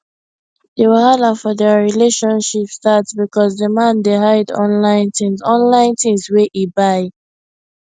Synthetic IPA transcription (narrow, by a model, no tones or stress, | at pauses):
dewɪhalafɔðɛɹileʃɔ̃nʃipstatsbikɔzðəmãndeɦaɪdɔ̰̃nlãɪ̃ntĩmzɔ̃nlãɪ̃ntĩmzweʔibaɪ